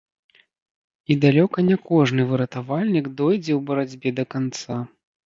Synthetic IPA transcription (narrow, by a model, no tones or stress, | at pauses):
id̪alʲɔkɐnʲɛkɔʐnɨvɨɾɐt̪avalʲnʲiɡd̪ɔjd͡zʲɛwbɐɾad͡zʲbʲɛd̪ɐkant̪sa